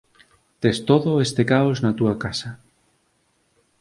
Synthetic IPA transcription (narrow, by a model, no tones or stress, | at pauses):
t̪est̪oðoest̪ekaoznat̪uakasa